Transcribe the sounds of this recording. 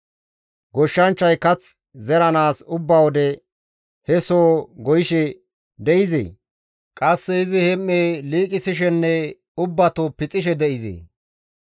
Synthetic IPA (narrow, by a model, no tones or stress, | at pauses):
ɡɔʃːɐnt͡ʃːɐjkɐt͡s | zɛɾɐnaːsʊbːɐwɔd̪ɛ | hɛsoːɡɔjɪʃɛ | d̪ɛʔɪzḛː | kʼɐsːɛɪzɪhɛmːeːliːkʼɪsɪʃ̬ɛnːɛ | ʊbːɐt̪opɪt͡sʼɪʃɛd̪ɛʔɪzḛː